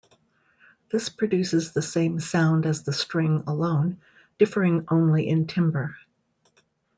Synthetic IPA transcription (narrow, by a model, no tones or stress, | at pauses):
ðɪspʰɹ̥ɨdʉsɨzðɨsẽɪ̃msãʊ̃ndɨzðəstɹ̥ɪ̃ŋəlõʊ̃n | d̥ɪfə˞ɪ̃ŋʔõʊ̃nliʔɨ̃ntʰɪ̃mbə˞